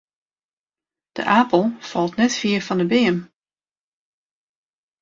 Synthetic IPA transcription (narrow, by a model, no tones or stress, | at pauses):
d̥ə̰ʔaːpəl̩ˠfɑlˠtnɛtfiəɹfɔndəbeːəm